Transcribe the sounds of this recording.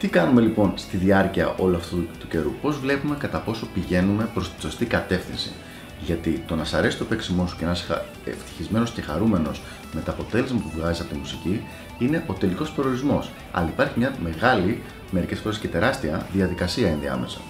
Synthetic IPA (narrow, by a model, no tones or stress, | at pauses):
t̪ikɐnume̞lipo̞nst̪iðiɐɾciɐ̰ʔo̞luɐft̪ut̪uce̞ɾupo̞zvle̞pume̞kɐt̪ɐpo̞so̞piʝe̞nume̞pɾo̞st̪i̥so̞st̪ikɐt̪e̞fθinsḭ | ʝɐt̪it̪o̞nɐsɐɾe̞si̥t̪o̞pe̞ksimo̞su̥cenɐsi̥ɐ̰ | ḛft̪i̥çizme̞no̞sce̞xɐɾume̞no̞s | me̞t̪ɐːpo̞t̪e̞lezmɐpuvɣɐzisɐpo̞t̪imusici | ine̞ʔo̞t̪e̞liko̞speɾioɾizmo̞s | ɐ̰lɐipɐɾçimɲɐme̞ɣɐli | me̞ɾice̞sfo̞ɾesce̞t̪e̞ɾɐst̪iɐðiɐðikɐsiɐinðḭɐ̰me̞sɐ̰